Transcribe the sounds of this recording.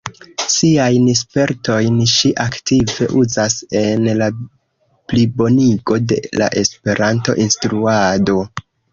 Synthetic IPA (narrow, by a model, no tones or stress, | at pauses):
siajnspe̞ɾto̞jnʃiʔaktive̞ʔuzase̞nla | plibo̞niɡo̞de̞̰la̰ʔe̞spe̞ɾʔanto̞̰ʔinstɾuado̞